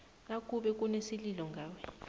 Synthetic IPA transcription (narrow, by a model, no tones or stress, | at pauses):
nakʼuɓɛk̬ʼunesililɔŋɡʱaːwɛ